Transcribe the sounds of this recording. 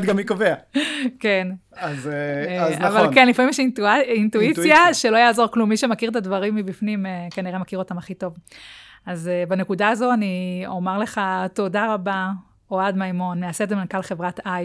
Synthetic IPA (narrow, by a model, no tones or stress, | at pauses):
d̪ɡamikoveaken | azzavalkenlifamimjɛʃint̪uit͡sjaʃe̞lojaːzo̞ʁklumːiʃe̞makiʁt̪advaʁimːibifnimekaniʁemakiʁo̞tamaχito̞v | azebanekudaːzo̞aniomaʁle̞χato̞daʁaba | oad̪majmo̞nmeasedzemenkalχevʁataj